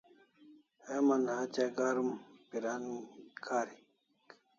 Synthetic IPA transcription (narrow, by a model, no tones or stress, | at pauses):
hemɐnhat͡ɕaɡaːɾumpiɾankʰaːɾi | k